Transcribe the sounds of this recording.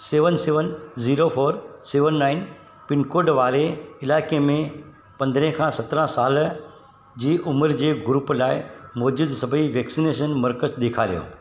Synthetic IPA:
seːʋənseːʋənziːɾopʰoːɾseːʋənːaːɪn | pɪnkoːɾɖʋaːɾeɪlaːɪkemẽ | pɐ̃nd̪ɾẽkʰãsɐt̪ɾãsaːl | d͡ʑiːʔʊməɾd͡ʑeːɡʊɾuplaːɪmoːd͡ʒʊd̪sɐbʱəiʋeːksineːʃ̬ənmɐɾkəsɗ̪eːkʰaɾijõ̰ː

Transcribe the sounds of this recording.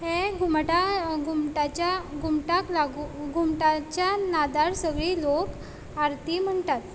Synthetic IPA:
ɦẽɡʱumʈaɡʱumʈat͡ɕjaɡʱumʈaklaɡuɡʱumʈat͡ɕjanad̪aɽsəɡɭiːlok | aɾt̪im̤əɳt̪at̪̚

